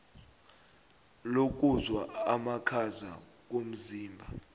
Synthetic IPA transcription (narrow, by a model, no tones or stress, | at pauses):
lok̬ʼuzwaamakʰaza̰k̬om̩ziːmbʱa